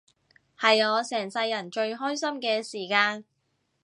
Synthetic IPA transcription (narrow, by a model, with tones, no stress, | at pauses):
hɐ˨jɔː˨˧sɛː˨˩ŋsɐ˧jːɐ˨˩nt͡ʃɵ˧ɥɦɔː˥jsɐ˥mkɛː˧siː˨˩kaː˧n